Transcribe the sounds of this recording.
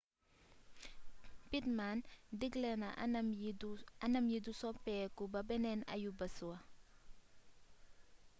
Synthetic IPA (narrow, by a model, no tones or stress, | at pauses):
pitmandiɡlɛnɐʔ | ɐnɐmjidusɔpɛkubɐbɛnɛnɐ̰jubɐsuwɐ